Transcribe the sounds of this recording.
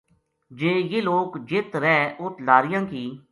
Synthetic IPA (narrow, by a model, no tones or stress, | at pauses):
d͡ʒeːjeːloːkd͡ʒɪt̪ɾɛːʊt̪ʰlaːɾɪjãːkiː